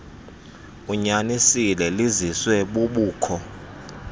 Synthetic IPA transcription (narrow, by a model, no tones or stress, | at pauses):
uɲanisilɛliziswɛɓuɓuːkʰɔ